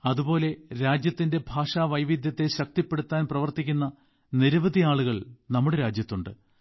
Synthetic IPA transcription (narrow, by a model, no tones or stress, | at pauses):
ɐðubo̞ːle̞ɾaːd͡ʑjɐt̪ːinde̞bʱaːʂaːʋɐjʋid̪jɐt̪ːe̞ɕɐk̚t̪ipːe̞ɽut̪ːaːnprɐʋɐrt̪ikʲːunːɐ | niɾɐʋɐd̪ʱiaːɭuɣɐɭnɐmːuɽe̞ɾaːd͡ʑjɐt̪ːuɳɖɨ